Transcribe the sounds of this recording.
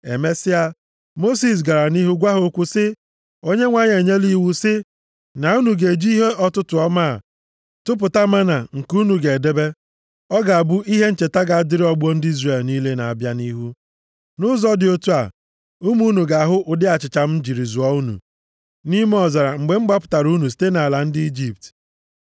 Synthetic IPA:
e˨me˦sɪ˦a˨ | mo˦si˨s̬ɡa˨ɾa˨ni˦ɦu˦ɡʷa˦ɦo˦kʷu˦sɪ˦ | o˦ɲe˦ŋʷa˦ɲ˨e˨ɲe˦li˦˨wu˦sɪ˦ | na˨u˦nu˨ɡe˨d͡ʒi˦i˦ɦe˦ʔɔ˦tʊ˦tʊ˨ɔ˦ma˦a̰˨ | tʊ˦p̬ʊ˨ta˦ma˦na˨ŋ̩˨ku˦nu˨ɡe˨de˦be˦ | ɔ˦ɡa˨a˨bu˦ʔi˦ɦe˦n̩˦t͡ʃe˨ta˦ɡa˨a˨dɪ˦ɾɪ˦ɔ˦ɡ͡bo˦n̩˦dɪ˦i˦zre˨lni˦le˦na˨a˨bja˦ni˦ɦu˦ | nʊ˦zɔ˦dɪ˨o˦tu˦a̰˨ | u˦mu˦nu˨ɡa˨ɦʊ˦ʔʊ˨dɪ˦a˨t͡ʃɪ˨t͡ʃa˨m̩˦d͡ʒi˨ɾi˨zu˨ɔ˦u˦nṵ˨ | ni˦me˦ɔ˨za˨ɾa˨ŋ͡m̩˨ɡ͡be˨˦ŋ͡m̩˦ɡ͡ba˦pʊ̥˨ta˨ɾu˦nu˨s̬i̥˨te˦na˨a˨la˨n̩˦dɪ˦i˦d͡ʒi˦p̚t

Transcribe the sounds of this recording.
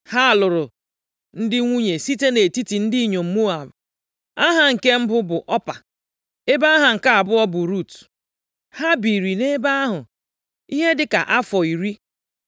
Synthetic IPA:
ha˦a˨lʊ˨ɾʊ˨ | n̩˦dɪ˦ŋʷu˦ɲe˨si˦te˦ne˨ti˦ti˨n̩˦di˦i˦ɲo˨m̩˨mu˦a˨b | a˦ɦa˨ŋ̩˨ke˦m̩˦bʊ˦bʊ˨ʔɔ˦pa̰˨ | e˦ba˦a˦ɦa˨ŋ̩˨ka˦a˨bʊ˦ɔ˦bʊ˨ɾu˦˨t | ha˦bi˨ɾi˨ne˦ba˦a˦ɦʊ˨ | i˦ɦe˦dɪ˦ka̰˨ʔa˦fɔ˨i˨ɾi˦

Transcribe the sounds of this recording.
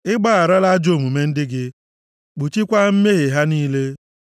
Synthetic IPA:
ɪ˦ɡ͡ba˦a˨ɾa˦la˦d͡ʒo˦˨mu˨me˦n̩˦dɪ˦ɡɪ˦ | k͡pu˨t͡ʃi˦kʷa˦m̩˦me˦ɣe˨ɦa˦niː˦le˦

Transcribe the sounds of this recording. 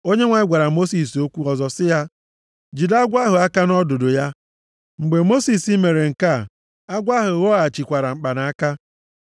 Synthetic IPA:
o˦ɲe˦ŋʷa˨ɪ˦ɡʷa˨ɾa˨mo˦si˨so˦kʷu˦ɔ˨zɔ˨sɪ˦ja˦ | d͡ʒi˨da˦ɡʷa˦ɦʊ˨a˦ka˦nɔ˦do˨do˨ja˦ | ŋ͡m̩˨ɡ͡be˨mo˦si˨si˦me˨ɾe˨ŋ̩˨ka˦˨ | a˦ɡʷa˦ɦʊ˨ɣo˦a˨t͡ʃi˨kʷa˨ɾa˨ŋ͡m̩˨k͡pa˨na˨a˦ka˦

